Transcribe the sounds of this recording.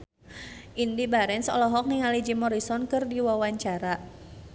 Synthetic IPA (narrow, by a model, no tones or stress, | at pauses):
ʔindibaɾɛnsɔ̰lɔɦɔk̚niŋalid͡ʒimɔɾisɔnkɨrdiwawaɲt͡ʃaɾa